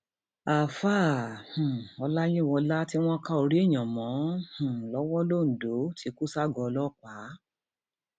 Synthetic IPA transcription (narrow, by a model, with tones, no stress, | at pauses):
a˨faː˦˨hũ˨ɔ˧la˦j̃ĩ˦˨wɔ̃˧la˦ti˦w̃ɔ̃˦ka˦o˧ɾi˦i˦˨j̃ã˨mɔ̃˨˦hũ˨lɔ˨˦wɔ˦lo˦˨n̩˨do˨˦tʰi˨˧˦ku˦sa˦ɡɔ˧lɔ˦˨k͡pa˨˦